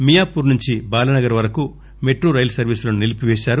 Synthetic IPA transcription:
mijaːpuːɾnuɲt͡ʃibaːlɐnɐɡɐɾʋɐɾɐku | meʈɾoːɾɐjlsɐɾʋiːslonunilipiʋɛːʃaːɾu

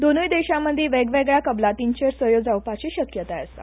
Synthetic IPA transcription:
d̪onujd̪eɕaməd̪ʱːjeʋeɡʋeɡɭjakəblat̪iɲt͡ɕəɾsʋəjod͡zawpat͡ɕiɕəkjət̪aəst̪a̰

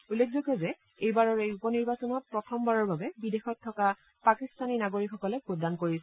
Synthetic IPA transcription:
ulːekʰzokɔzɛ | ejbaɹɔɹejupɔniɹbasɔnɔt̚pɹɔtʰɔmbaɹɔɹbabɛbidexɔt̚tʰːɔka | pakistaninaɡoɹikxɔkɔlɛpɹodankoɹisɛ

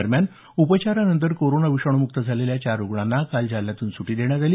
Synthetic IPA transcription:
əɾmjan | upət͡ɕaɾanənt̪̬əɾkoɾonaʋiʂəɳ̃omuk̚t̪əd͡zʱaleljat͡ɕaɾoɡɭanːakald͡zʱaljat̪uːnsuʈiːd̪eɳjat̪aliː

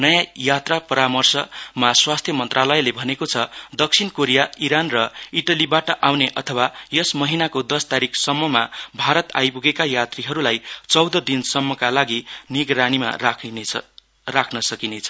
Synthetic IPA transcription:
nʌjãjat̪rapʌɾamʌrsʌmaswast̪ʰjʌmʌnt̪ralʌjlebʱʌnekot͡sʰʌd̪ʌk̚sʰinkoɾijaiɾanrʌiʈʌlibaʈʌʔawneʔʌt̪ʰʌwajʌsmʌɦinakod̪ʌst̪aɾikʰsʌmːʌmabʱaɾʌt̪a̰jpuɡekajat̪riɦʌɾulajt͡sʌwd̪ʌd̪insʌmːʌkalaɡiniɡɾanima̰ | rakʰnʌsʌkinet͡sʰʌ̥

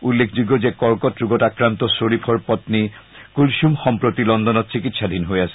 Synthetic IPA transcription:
ulːekʰd͡ʑuɡːod͡ʑekɔɾkot̪ɾuɡoʈakɾant̪osoɾipʰoɾpɔt̪nikulʃumxɔmpɾot̪ilɔnd̪ʱonott͡ɕikit̪ʃad̪ʱinɦoeat͡ɕʰe

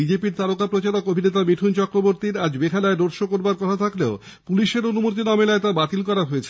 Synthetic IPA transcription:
id͡ʑepiɾt̪aɾokapɾot͡ɕaɾokobʱinet̪amiʈʰunt͡ɕɔkɾoboɾt̪iɾad͡ʑbekʰalaed̪oɾʃokoɾbaɾkɔt̪ʰat̪ʰakleo | puliʃeɾonumot̪inamelaet̪abat̪ilkɔɾaɦoet͡ɕʰe

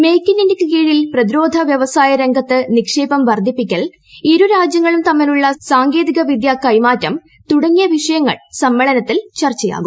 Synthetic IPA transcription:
me̞jkːininikːɨkiːɻilprɐðiɾo̞ːd̪ʱɐʋjɐʋɐsaːjɐɾeŋɡɐt̪ːɨnikʂeːbɐmʋɐrd̪ʱipːikʲːɐɭ | iɾuɾaːd͡ʑjɐŋːɐɭumt̪ɐmːiluɭːɐsaːŋɡe̞ːðiɣɐʋid̪jaːkːɐjmaːtːɐm | t̪uɽɐŋːijɐʋiʂɐjɐŋːɐ̰ɭsɐmːeɭɐnɐt̪ːilt͡ɕɐrt͡ɕːɐja̰ːɡum

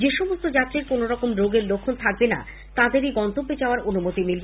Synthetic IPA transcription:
d͡ʑeʃomost̪od͡ʑat̪ːɾeɾkonoɾɔkomɾoɡeɾlokʰːont̪ʰak̚bena̰ | t̪ad̪eɾiɡɔnt̪obːed͡ʑaoaɾonumot̪imilbe

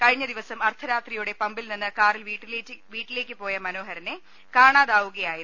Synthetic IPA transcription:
kɐɻiɲːɐd̪iʋɐsɐmɐrt̪ʰɐɾaːt̪rijuɽe̞pɐmbilninːɨkaːrilʋiːʈːile̞ːkʲːɨpo̞ːjɐmɐno̞ːɦɐɾɐne̞ | kaːɳaːðaːʋuɣɐjaːji

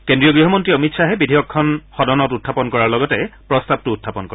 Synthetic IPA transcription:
kendɹijɔɡɹiɦɔmɔntɹiɔmitsʰaɦɛbidʱijɔkʰːɔnxɔdɔnɔtutʰːapɔnkɔɹaɹlɔɡɔtɛpɹɔstab̚tuːtʰːapɔnkɔɹɛ

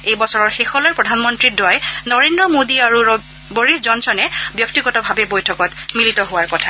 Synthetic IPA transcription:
ejbɔsɔɹɔɹxexɔlɔjpɹɔdʱanmɔntɹidwajnɔɹendɹɔmodiaɹu | boɹiszɔnsɔnɛbjɔk̚tiɡɔtɔbʱabɛbojtʰɔkɔtmilitɔɦʊwaɹkɔtʰa

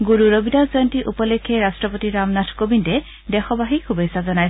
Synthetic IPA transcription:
ɡuɹuɹobidazɔjntiʔupɔlekʰːeɾastɹɔpotiɹamnatʰkobindɛ | dɛxɔbaɦikʰubejsazɔnaj

